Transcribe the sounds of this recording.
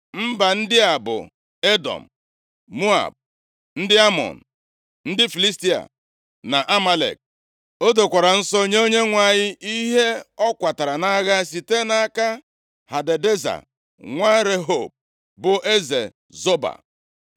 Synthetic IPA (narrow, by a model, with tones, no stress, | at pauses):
m̩˦ba˨n̩˦dɪ˦a˨bʊ̰˨ | e˦dɔ̰˨m̩˨ | mu˦a̰˨b̚ | n̩˦dɪ˦a˦mɔ̰˨n̩˨ | n̩˦dɪ˦fi˨li˦sti˦a̰˨ | na˨ʔa˦ma˦lḛ˨k̚ | o˦do˨kʷa˨ɾa˨n̩˦sɔ˦o˦ɲe˦o˦ɲe˦ŋʷa˦˨ɲɪ˦i˦ɦe˦ɔ˦kʷa˨ta˨ɾa˨na˦ɣa˦si˨te˦na˨˦ka˦ | ha˨de˨de˦za̰˨ | ŋʷa˦ɾe˦ɦo˦˨b̚ | bʊ˨ʔe˦zḛ˨ | zo˦ba̰˨